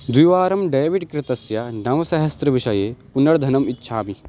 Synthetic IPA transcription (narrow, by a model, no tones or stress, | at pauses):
d̪wiʋaːɾɐmɖeːʋiɖkɾɪt̪ɐsjɐnɐʋɐsɐɦɐst̪ɾɐʋiʃɐjeːpunɐɽd̪ʱɐnɐmitːʃʰaːmi